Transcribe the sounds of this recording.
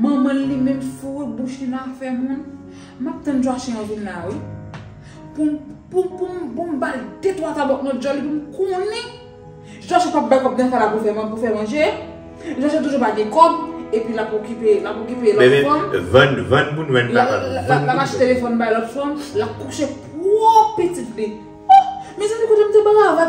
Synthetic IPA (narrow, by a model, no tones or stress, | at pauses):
mɐ̃mɐ̃nlimɛ̃mfubuʃinafɛmũn | map̚t̪ɐ̃nʒwaʃɛ̃ãvillawi | pumpupumpumbaldet̪wat̪abɔk̚nɔt̪̚d͡ʒɔ̃lipumkɔ̃nɛ̃ | sit̪waʃɛ̃pap̚bajkɔp̚d̪ɐ̃falapufɛmɐ̃pufɛmɐ̃ʒe | ʒaʃɛ̃t̬uʒubaɡɛ̃kɔbepɥilapokipelapokipelɔtfɔnvãnvãnmũnvɛ̃nalalakaʃɛt̪elefɔnbajlɔtfɔnlap̚kuʃepwopetitli | mɛ̃sãdikot̪em̩t̪ebalava